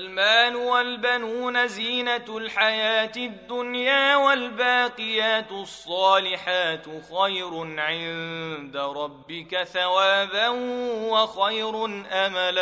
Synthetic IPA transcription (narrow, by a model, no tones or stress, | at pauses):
lmaːlʊwalbanuːnaziːnalħajaːt̪ɪd̪ːʊnjaːwalbaːqɨjaːt̪sˤːɑːlɪħaːt̪xajɾʊnʕɪnd̪aɾˤɑbːɪkaθawaːbanhwaxajɾʊnʔamala